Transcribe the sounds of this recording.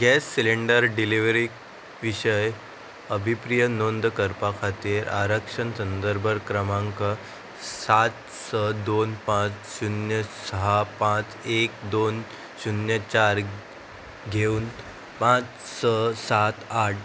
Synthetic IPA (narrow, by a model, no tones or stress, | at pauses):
ɡɛsːileɳɖəɾɖiliʋɾik | ʋiɕəj | əbʱipɾijənond̪kəɾpakʰat̪iɾʔa̰ɾəkʂənsənd̪əɾbʱəɾkɾəmãŋkə | sat̪ | səd̪onpãt͡sɕunjəsəɦapãt͡s | ek̚d̪on | ɕunjət͡ɕaɾ | ɡʱeuːn | pãt͡s | səsat̪aʈ̚